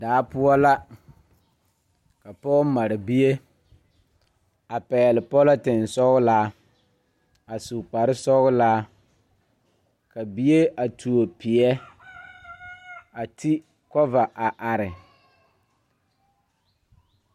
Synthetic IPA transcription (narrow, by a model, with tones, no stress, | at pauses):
daː˨˦pʊ˦ɔ˦la˦ | ka˨pɔ˦ma˨ɾɪ˨bi˦je˦ | a˨pɛː˨lɪ˨pɔ˦lɔ˦tɪ˨n˨sɔ˦ɣʊ˦laː˦ | a˨su˨k͡pa˨ɾɪ˦sɔ˦ɣʊ˦la˦ | ka˨bi˦e˦ʔa˨tʰu˨o˨pɪ˨ɛ˦ | a˨tʰi˦ | kɔ˦va˨ʔa˨ʔa˨ɾɪ˨